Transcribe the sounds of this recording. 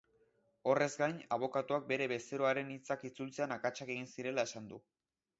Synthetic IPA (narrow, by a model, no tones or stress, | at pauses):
o̞re̞zɡajnaβ̞o̞kat̪uak̚be̞ɾe̞βe̞se̞ɾoaɾe̞nit͡sakit͡sult͡se̞anakat͡ʃake̞ɣ̞insiɾe̞lae̞sand̪u